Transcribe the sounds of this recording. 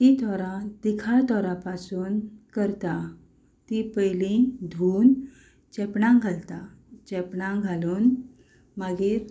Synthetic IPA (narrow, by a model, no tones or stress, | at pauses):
t̪it̪ʰɔɾãd̪ikʰaɭt̪ɔɾapasuːnkəɾt̪a | t̪ipəjlĩd̪ʱuːn | t͡ɕɛpɳãɡʱalt̪a | t͡ɕɛpɳãɡʱaluːn | maɡiɾ